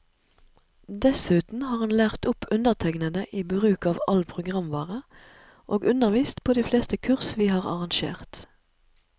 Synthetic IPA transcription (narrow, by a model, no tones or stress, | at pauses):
d̪ɛsʉːt̪n̩hɑːʁhɑnlæːʁt̪ʊpʰʉnd̪əʁt̪ʰɛŋnənəʔiːbʁʉːkɑːʋɑ̰lpʰʁʊɡʁɑmʋɑːʁə | ʔoːɡʉnəʁʋiːst̪pʰoːd̪iːfleːst̪əkʰʉʁsʋiːhɑːʁɑ̰ʁɑŋʃḛːʁt̪